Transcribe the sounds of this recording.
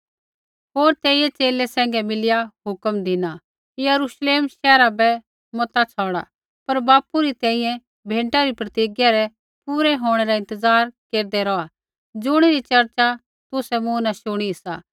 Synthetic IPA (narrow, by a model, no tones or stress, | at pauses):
ɦoːɾt̪ɛːɪjɛt͡ʃeːlɛsɛ̃ːŋ̆ɡɛmɪlɪjaɦʊkəmd̪ɪna | kijɐɾuʃleːmʃɛːɾabɛ | mɔt̪at͡sʰɔːɽ̃a̰ | pɐɾbaːpuɾit̪ɛ̃ːĩjɛ̃ | bʱẽːɳʈaɾipɾɐt̪iːɡjaɾɛ | puːɾɛɦoːɽ̃ɛɾaɪ̃nt̪əzaːɾkeːɾd̪ɛɾɔa | d͡zʊɽ̃iɾit͡ʃɐɾt͡ʃa | t̪ʊsɛmʊ̃naʃʊɽ̃iɪsaː